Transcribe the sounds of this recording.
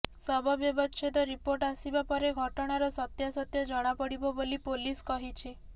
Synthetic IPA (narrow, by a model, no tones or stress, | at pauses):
sɔbʱɔbjɔbɔʃʰit̪ɔɾipoɾʈasibapɔɾeɡʱɔʈɔɽ̃aɾɔsɔt̪jasɔt̪jɔd͡ʒɔɽ̃apɔɽibɔbolipoliskɔɦit͡ʃʰi